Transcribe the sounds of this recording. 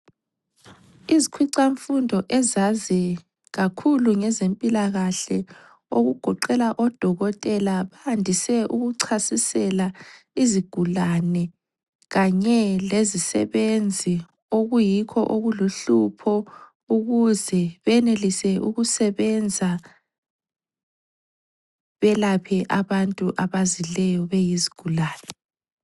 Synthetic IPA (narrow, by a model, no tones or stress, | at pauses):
izikʰwiǀaɱfundʱɔʔɛzazɛ | ɣakʰuluŋɛzempʼilaɣaɬɛ | oɣuɡ̥ʱɔǃɛlaʔɔd̥ʱɔɣɔtʼɛlaβaandʱisɛʔuɣuǀʰasisɛla | iziɡ̥ʱulanɛ | ɣaɲɛlezisɛ̰βend͡zʱi | oɣujikʰɔʔoɣuluɬupʰɔ | uɣuzɛβɛnelisɛʔuɣusɛβɛnd͡zʱa | βɛlapʰɛʔaβantʼuʔaβazilɛjɔβejiziɡ̥ʱulaːnɛ